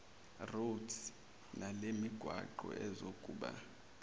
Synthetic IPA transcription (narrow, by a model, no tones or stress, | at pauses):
rud | nʔalemiɡ̥ʱwaǃɔ̰ʔɛzokʼuːɓa̰